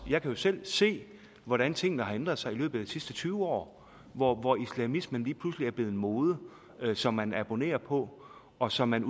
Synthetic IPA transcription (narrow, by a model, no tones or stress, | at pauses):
jɑ̈ɪkʰæjo̝sel̰se̝̰ː | ʋɒɾænt͡sʰe̝ŋ̰n̩əhɑ̈end̥ʁɐðˠsɑ̈ɪilø̰ːb̥̩ˠæd̥isisd̥ət͡sʰyːʊəɒ̰ː | ʋɒʋɒislæmismənliːpʰlusliæɐb̥le̝ð̩ˠenmoːð̞ˠə | sɒ̽mːænæb̥o̝ne̝̰ːɐpʰɒ̽ | ɒ̽sɒ̽mːæn